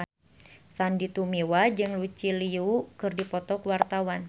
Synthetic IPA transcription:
sandit̪umiwad͡ʒɨŋlut͡ʃiliukɨrdipɔt̪ɔkwart̪awan

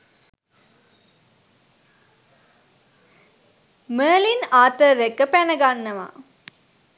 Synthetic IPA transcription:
məːlinaːt̪əːekəpænəɡanːəʋa̰

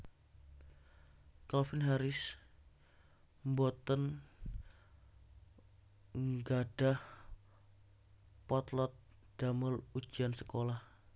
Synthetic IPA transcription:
kalfɪnɦaɾɪs | mbɔt̪ən | ŋɡaɖ̥ah | pɔt̪lɔt̪̚ | d̥aməlud̥ʒ̥iansəkolah

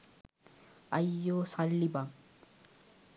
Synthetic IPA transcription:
ɐjːoːsɐlːibam

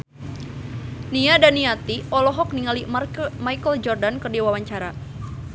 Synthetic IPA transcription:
niadaniat̪iʔɔlɔɦɔk̚niŋalimajkəld͡ʒɔrdankərdiwawaɲt͡ʃaɾa

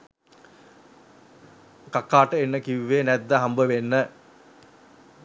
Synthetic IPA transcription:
kakːaːʈəenːəkiʋʋenɛd̪ːəɦambəʋenːə

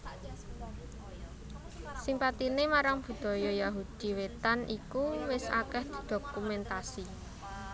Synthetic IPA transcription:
simpat̪inemaɾaŋb̥ṳd̪̥ɔ̤jɔjaɦud̪̥i̤wet̪anʔikuwɪsa̰kɛhd̪̥i̤d̪̥o̤kumɛnt̪asi

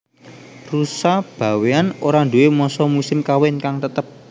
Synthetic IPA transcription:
rusahb̥a̤weanoɾaɳduemɔsɔmusɪmkawɪnkaŋt̪ət̪əp̚

